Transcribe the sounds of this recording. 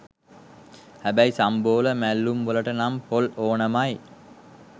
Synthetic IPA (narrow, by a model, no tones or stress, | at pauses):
hæbæjsamboːləmælːumʋələʈənampoloːnəmaj